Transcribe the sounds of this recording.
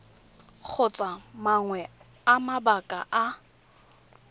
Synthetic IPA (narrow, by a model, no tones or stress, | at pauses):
k͡xʰʊt͡sʼamaŋwɛ | amabakʼaʔa